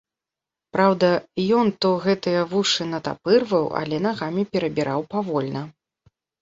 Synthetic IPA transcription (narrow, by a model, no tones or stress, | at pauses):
pɾawd̪ɐjɔnt̪ɔɣɛt̪ɨjɐvuʂɨnɐt̪a̰pɨrvɐwa̰lʲɛnaɣamʲipʲɛɾɐbʲiɾʔawpavɔlʲnɐ